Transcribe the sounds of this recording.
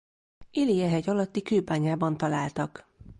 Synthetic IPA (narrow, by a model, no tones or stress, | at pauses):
ʔilijɛɦɛɟɒlɒt̪ːikøːbaːɲaːbɒnt̪ɒlaːlt̪ɒk